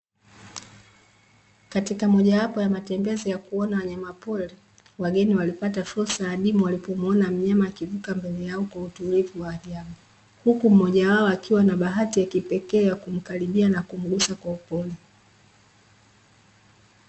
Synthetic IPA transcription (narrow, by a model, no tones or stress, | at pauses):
katikamɔʄawapɔjamatɛmbɛzijakuɔnawaɲamapɔli | waɡɛniwalipatafuɾsajaɗimuwalipɔmɔnam̩ɲamaːkivukambɛlɛjaɔkwautulivuwaːɾiamu | hukum̩ɔʄawaɔakʰiwanaɓaɦatijakipɛkɛːjakum̩kaliɓianakum̩ɡusakwaupɔli